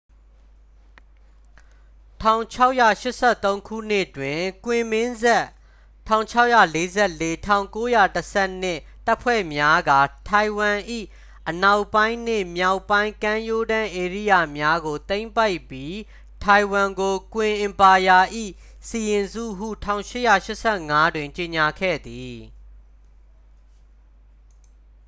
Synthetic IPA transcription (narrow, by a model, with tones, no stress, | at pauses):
tʰã˨ʊ̃t͡ɕʰa˦ʊʔja̰˦˨ʃɪ˦ʔsʰɛ˦˨t̪õ˦ʊ̃kʰṵ˦˨n̥ɪ˦˨twɪ̃˨kwɪ̃˨mɪ̃˦nzɛ˦ | tʰã˨ʊ̃ɲt͡ɕʰa˦ʊʔja̰˦˨le˦zɛ˦˨le˦tʰã˨ʊ̃ŋko˦ja˦˨təsʰɛ˦˨n̥ɪ̰˦˨ | ta˦ʔpʰwɛ̰˦˨mja˦ɡa˨tʰa˨ɪ̃wã˨ʔḭ˦˨ | ʔəna˦˨ʊpːã˦ɪ̃nn̥ɪ̰̃˦˨mja˦˨ʊpːã˦ɪ̃ŋkã˦jo˦dã˦ʔe˨ɹḭ˦˨ja˨mja˦ɡo˨t̪ẽ˦ɪ̃mpa˦ɪpːji˦ | tʰa˨ɪ̃wã˨ŋɡo˨kwɪ̃˨ʔɪ̃˨mpa˨ja˨ʔḭ˦˨ | si˨jɪ̃˨nzṵ˦˨ɦṵ˦˨tʰã˦˨ʊ̃ʃɪ˦ʔja̰˦˨ʃɪ˦ʔsʰɛ˦˨ŋa˦dwɪ̃˨ɲt͡ɕe˨ɲa˨kʰɛ̰˦˨d̪i˨